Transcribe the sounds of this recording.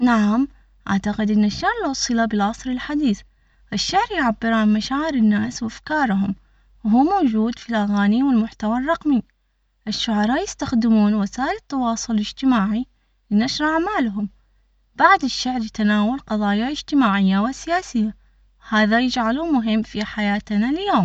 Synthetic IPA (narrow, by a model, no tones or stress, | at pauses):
naʕam | ʔaʕt̪aqɪd̪ʔɪnːaʃːaʕɾˤlwɑsˤɨlabɪlʕɑsˤɾɪlħad̪iːθ | ʔɪʃːaʕɾjʕabːɪɾaːnmaʃaːʕɪɾɪnːaːswʔafkɑːɾˤɦʊm | wɦuːmoːd͡ʒuːd̪filʔaɣaːniwɪlmʊħt̪awarˤːɑqmi | ʔɪʃːʊʕɑɾˤɑːʔjɪst̪axd̪ɪmuːnwasaːʔɪlɪt̪ːɑwɑːsˤʊlɪd͡ʒt̪ɪmaːʕi | lɪnaʃɾˤʔaʕmaːlɦʊm | b̥aʕd̪ɪʃːaʕɾˤjɪt̪anaːwalqɑðˤɑːjaɪd͡ʒt̪ɪmaːʕɪjːawɪsɪjaːsɪjːa | haːðajɪd͡ʒʕalumʊɦɪmːfiħajaːt̪naljoːm